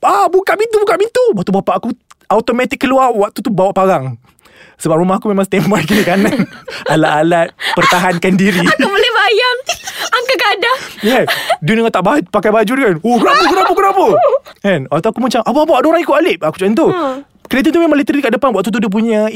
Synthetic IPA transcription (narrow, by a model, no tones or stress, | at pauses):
abukaʔmint̪ubukaʔmint̪ubwaʔt̪ubapaʔakuawt̪omɛt̪ɪkːəluarwak̚t̪ut̪ubawaʔpaɾaŋ | səbap̚ɾumahakumemãŋst̪ɛmbarkinikananalaʔalat̪̚pərt̪aɦankandiɾiaubolɛhbajaŋakakadajɛdonəŋat̪aʔbapakajbad͡ʒudukanokənapəkənapəkənapəanwaʔt̪uakumat͡ʃamʔapəap̬aaʔdoɾaŋikualɪp̚aku̥t͡ʃaənt̪u | kəɾit̪ənumemãŋlet̪əɾikaʔdəpanwaʔ̚t̪ut̪̬udup̬uɲã